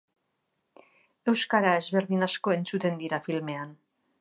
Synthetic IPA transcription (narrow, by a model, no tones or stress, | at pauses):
e̞wskaɾae̞zβe̞ɾðinasko̞e̞nt͡sut̪e̞nd̪iɾafilme̞an